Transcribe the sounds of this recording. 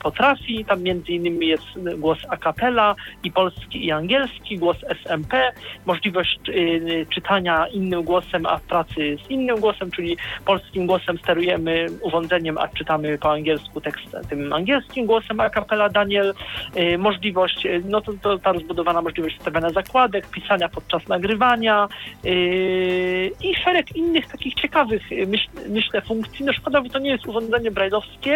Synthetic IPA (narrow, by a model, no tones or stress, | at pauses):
pɔt̪ɾafʲit̪amːʲjɛnd̪zɘinːɘmʲijɛst̪ɡwɔsakapɛlaipɔlskʲiiaŋɡʲɛlskʲiɡwɔsɛsɛmpɛmɔʐlʲivɔɕt͡ɕ | t͡ʂɘt̪ʰaɲainːɘmɡwɔsɛma̰fpɾat̪sɘzinːɘmɡwɔsɛmt͡ʂɘlʲipɔlskʲimɡwɔsɛmst̪ɛɾujɛmɘuvɔ̃nd̪zɛɲɛma̰t͡ʂɘt̪amɘpɔaŋɡʲjɛlskut̪ɛkst̪ɛ̰t̪ɘma̰ŋɡʲjɛlskʲimɡwɔsɛmakapɛlad̪aɲɛl | mɔʐlʲivɔɕt͡ɕnɔt̪ɔt̪ɔt̪aɾɔzbud̪ɔvanamɔʐlʲivɔɕt͡ɕʲst̪avjaɲazakwad̪ɛkpʲisaɲapɔt̪̚t͡ʂasnaɡɾɘvaɲa | iʂɛɾɛkinːɘxt̪akʲixt͡ɕɛkavɘxmɘɕmɘɕlɛfuŋkt̪sʲinɔʂkɔd̪avɛt̪ɔɲɛjɛst̪uvɔ̃nd̪zɛɲɛbɾajlɔfskʲɛ